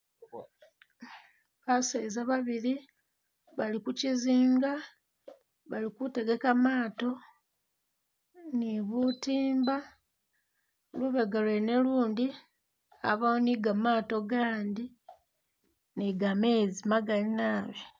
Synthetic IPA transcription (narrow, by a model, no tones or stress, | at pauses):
βasezaβaβiɾi | βalikuciziːŋɡa | βalikute̞ɡe̞kamaːto̞ | niβutiːmba | luβeɡalwene̞luːndi | a̰βaoniɡamaːto̞ɡaːndi | niɡame̞ːzimaɡalinaːβi